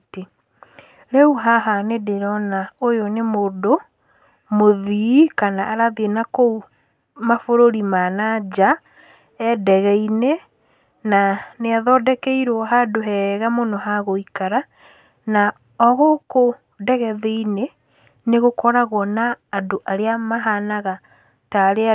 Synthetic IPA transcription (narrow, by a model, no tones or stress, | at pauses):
te | ɾeuɦaɦanedeɾɔnaojonemoːdo | moðikanaʔaɾaðienakou | mafoɾoɾimanad͡ʑa | ɛdɛɣɛine | naneaðɔdɛkɛiɾwɔɦadoɦɛɣamonɔɦaɣoikaɾa | na | ɔɣoko | dɛɣɛðeine | neɣokɔɾaɣɔnaːdoʔaɾeamaɦanaɣa | taɾe